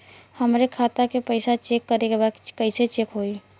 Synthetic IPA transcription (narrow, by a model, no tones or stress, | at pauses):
həmɾekʰaːt̪akepəɪsat͡ʃeːkːəɾekebaːd̪kəɪset͡ʃeːkɦoːiː